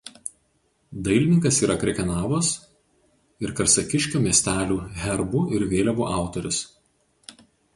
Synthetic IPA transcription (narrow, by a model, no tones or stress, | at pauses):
d̪ɐɪlʲɪnʲɪŋkɐsiːɾʔɐkɾʲɛkʲɛnɑːʋos | ɪɾkɐɾsɐkʲɪʃʲkʲuːmʲiɛsʲt̪ʲæːlʲuːɦʲɛɾbʊɪɾʋʲeːlʲɛʋuːʔɑˑʊt̪ɔɾʲɪs